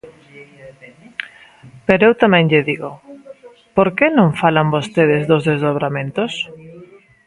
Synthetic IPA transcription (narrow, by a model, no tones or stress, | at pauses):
peɾoewt̪amɛ̃ŋʎɪðiɣo | poɾkenõŋfalambost̪eðɪzðʊzðezðoβɾamẽnt̪ʊs